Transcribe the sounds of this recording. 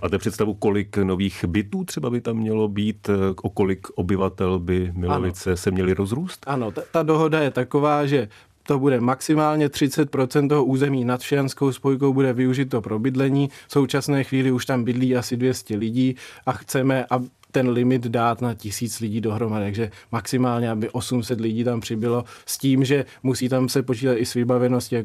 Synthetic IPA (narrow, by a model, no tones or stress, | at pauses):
maːt̪ɛpr̥ɛt̪st̪avukolɪknoviːxbɪt̪uːt̪r̝̥ɛbabɪt̪amːɲɛlo̞biːt̪ʔokolɪkʔobɪvat̪ɛlbɪmɪlovɪt͡sɛsɛmɲɛlɪɾozɾuːst̪ano̞t̪t̪ado̞ɦo̞dajɛt̪ako̞vaːʒɛ | t̪o̞budɛmaksɪmaːlɲɛt̪r̝̥ɪt͡sɛt̪̚pɾo̞t͡sɛnt̪t̪oɦoʔuːzɛmiːnat̪ʃjanskowspo̞jk̬owbudɛvɪuʒɪt̪ːo̞pɾo̞bɪdlɛɲiːfso̞wt͡ʃasnɛːxviːlɪuʃt̪ambɪdliːʔasɪdvjɛscɛlɪɟiːʔaxt͡sɛmɛʔa | t̪ɛnlɪmɪt̪daːt̪nacɪsiːt͡slɪɟiːdo̞ɦɾo̞madɪt̪aɡʒɛmaksɪmaːlɲɛabɪʔo̞sumsɛt̪lɪɟiːt̪ampr̝̥ɪbɪlo̞sciːmʒɛ | musiːt̪amsɛpo̞t͡ʃiːt̪at̪ɪsvɪbavɛno̞scɪja